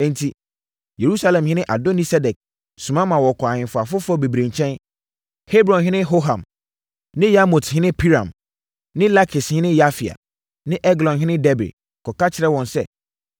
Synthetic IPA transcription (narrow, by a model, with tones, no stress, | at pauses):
ɛ̃˨n̩˨tʰi˨ | je˨ɾu˦sa˦lɛ̃˨mhɪ̃˦nɪ̃˦ʔa˨do˦nĩ˦sɛ˦dɛ˨k̚ | sũ˨mã˦mã˨wɔ˨kʰɔ˨a˨ɲɪ̃˨fʊ˨a˨fʊ˦fʊ˦ɔ˦be˨bɾẽ˨ɲ˨t͡ɕʰɛ̃˦n | he˦bɾɔ̃˨nɦɪ̃˦nɪ̃˦ɦo˦ɦã˨m | nɪ̃˦ja˦mɔ˨thɪ̃˦nɪ̃˦pʰi˦ɾã̰˨m | nɪ̃˦la˦kʰɪ˨shɪ̃˦nɪ̃˦ja˦fi˨a̰˨ | nɪ̃˦ʔɛ˦ɡlɔ̃˨nɦɪ̃˦nɪ̃˦dɛ˦bɪ̰˨d | kʰɔ˨ka˦t͡ɕʰɪ˨ɾɛ˦wɔ̃˨nsɛ˦